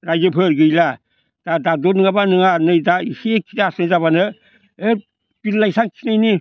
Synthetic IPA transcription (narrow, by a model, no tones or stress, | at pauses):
ɾajzɯpʰɯɾɡɯjla | d̥adadonɯŋabanɯŋanɯjdaisiekʰitasnɯjzaβanɯ | e | pilːajsaŋkʰinajni